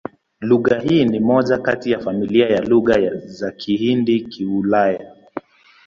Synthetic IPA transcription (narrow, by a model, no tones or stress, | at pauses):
luɣahiːnimɔʄakatijafamiliajaluɣazakʰihindikʰiulaja